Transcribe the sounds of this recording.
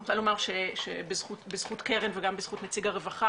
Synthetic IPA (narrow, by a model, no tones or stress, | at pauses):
talomaʁʃeʃebezχut̪bezχut̪keʁenveɡambez̥χut̪net͡siɡaʁevaχa